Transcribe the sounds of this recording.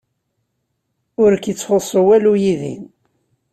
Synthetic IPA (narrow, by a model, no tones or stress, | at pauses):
ʊɾkət͡sːfosˤəwælujiðḭn